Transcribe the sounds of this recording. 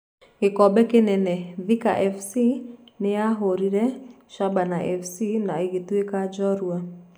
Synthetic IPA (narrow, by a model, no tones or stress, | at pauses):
ɡɪkɔbɛkɪnɛnɛvika̰ʔɛfsinɪaɦoɾiɾɛ | ʃabanaʔɛfsinaiɡit̪uekad͡ʒɔɾua